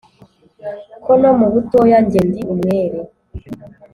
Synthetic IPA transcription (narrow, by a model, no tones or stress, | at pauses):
kʰonomuβutojaɲɟendiumweɾe